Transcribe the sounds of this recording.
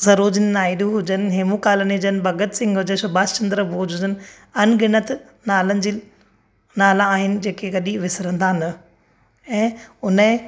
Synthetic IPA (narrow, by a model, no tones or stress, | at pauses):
zɐɾoːd͡ʑənɪnaːiɗũɦʊd͡ʑənɪ̆ɦeːmukaːləniɦʊd͡ʑənɪbʱɐɡət̪sɪ̃ŋɡɦʊd͡ʑənsʊbaːst͡ɕɐ̃nd̪ɾəboːd͡ʑɦʊd͡ʑənɪ̆ | ɐnɡɪnət̪ | naːlənɪ̆d͡ʑiː | naːlãaːɦɪnɪ̆d͡ʑeːkʰeɡɐɗiʋɪsɾə̃nd̪ʱanɐ | ɛ̃ːʊnəɦɪ̃